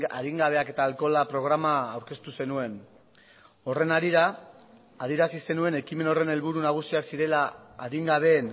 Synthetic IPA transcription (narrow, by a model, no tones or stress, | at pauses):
a̰ðiŋɡaβ̞e̞ake̞t̪aːlko̞lapɾo̞ɣ̞ɾamaːwɾke̞st̪use̞nue̞n | o̞re̞naɾiɾaː | ð̞ieɾasise̞nue̞ne̞kime̞no̞re̞ne̞lβuɾunaɣ̞usiaksiɾe̞la̰ːðiŋɡaβ̞e̞ːn